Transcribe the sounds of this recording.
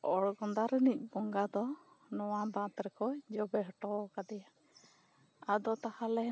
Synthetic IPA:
ɔɽɡɔnd̪aɾənic̚ˀbɔŋɡad̪ɔ | nɔwab̪ãt̪ɾɛkɔd͡ʒɔbɛɦɔʈɔkad̪ɛja | ad̪ɔt̪ahalɛ

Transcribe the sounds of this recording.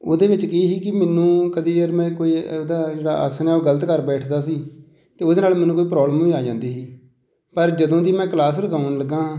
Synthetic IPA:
oːd̪eːʋɪt͡ʃkɪiːɦiːkɪmɛːnũːkəd̪iːəɾmɛ̃ːkoːiːod̪aːd͡ʒeːɽa̰ːʔə̰sənɛːoːɡələt̪kəɾbɛːʈʰd̪aːsiː | t̪eːod̪eːnaːlmɛːnũːkoːiːp̬ɾɔːbləmʋiːaːd͡ʒãːnd̪iːsiː | pəɾd͡ʒəd̪õːd̪iːmɛ̃ːkəlaːsɾəkaːnləɡːãː

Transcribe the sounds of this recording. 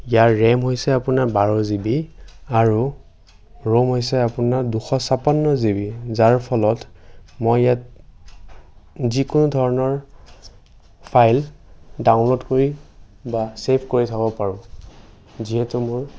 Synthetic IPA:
ijaɹːɛmɦojsɛapunaɹbaɹɔzibiaɹu | ɹomɦojsɛapunaɹduxɔsapanːɔzibizaɹpʰɔlɔtmojjat̚ | zikʊnʊdʱɔɹɔnɔɹ | pʰajldaʊ̃nlotkoɹi | basepʰkoɹitʰabɔpaɹʊ̃ | ziɦɛtumʊɹ

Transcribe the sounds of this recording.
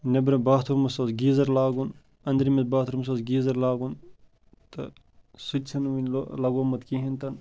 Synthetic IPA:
nɐbɾɐbaːt̪ʰuɾmɐsɐsɡiːzɐɾlaːɡun | ɐnd̪ɾimɐt̪baːt̪ʰuɾmɐs̬ɐzɡiːzɐɾlaːɡun | t̪ɐ | sutʲt͡ʃʰɐnʋinʲlolɐɡoːmɐt̪kiɦint̪ɐn

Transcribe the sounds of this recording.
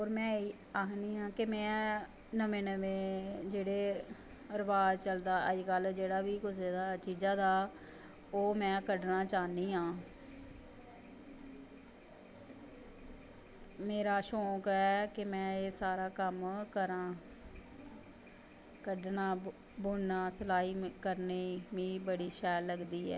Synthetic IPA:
oːɾmɛ̃ːi | aːɦniːɦãːkemɛ̃ː | nəʋẽːnəʋẽːd͡ʒeːɽeː | əɾbaːd̪t͡ʃəld̪aːəd͡ʒkəld͡ʒeːɽaːʋiːkʊseːd̪aːt͡ʃiːd͡ʒaːd̪aː | oːmɛ̃ːkəɖnãːt͡ʃaːniːɦãː | meːɾaːʃɔːkɛːkɪmɛ̃ːeːsaːɾaːkəmkəɾãː | kəɖnãː | bʊɳnaːsəlaːiːkəɾneːmĩːbəɽiːʃɛːlːəɡd̪iːɛ̰ː

